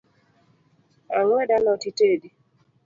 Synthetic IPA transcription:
aŋwɛdanɔtitedi

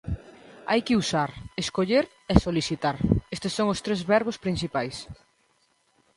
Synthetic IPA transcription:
a̰jkɪusaɾeskoʎeɾ | ɛsoliθit̪aɾest̪esːoŋʊst̪ɾezβɛɾβʊspɾin̟θipajs

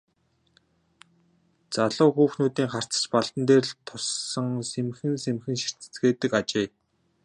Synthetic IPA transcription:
t͡saɮʊːxuːxnuːt̪iːŋχar̥t͡sə̥̆t͡ɕpaɮt̪ə̆nt̪eːrɮt̪ʰʊsːə̆ŋsemxɘ̆nsemxɘ̆nʃir̥t͡sɘ̥̆t͡sɡeːt̪ɘ̆kat͡ɕeː

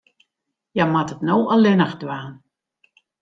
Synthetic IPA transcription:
jamatətnoːʔəlɪnəxdʋaːn

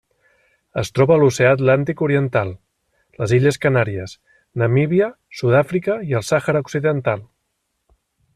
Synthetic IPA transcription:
əst̪ɾɔβəːluseaːt̪lant̪ikuɾiənt̪alˠ | ləziʎəskənaɾiəs | nəmiβiə | suðafɾikəiəlˠsaxəɾauksiðənt̪alˠ

